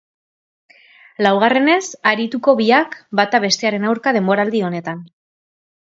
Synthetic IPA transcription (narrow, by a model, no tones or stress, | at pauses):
lawɣ̞are̞ne̞saɾit̪uko̞βiakbat̪aβ̞e̞st̪e̞aɾe̞nawɾkað̞e̞mboɾald̪io̞ne̞t̪an